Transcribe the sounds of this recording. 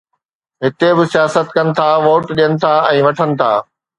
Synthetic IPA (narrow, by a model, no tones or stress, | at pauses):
ɦɪt̪ebɪsijaːsət̪kɐnɪ̆t̪ʰaːʋoːʈɗijənɪ̆t̪ʰaːɛ̃ːʋɐʈʰənɪ̆t̪ʰa̰ː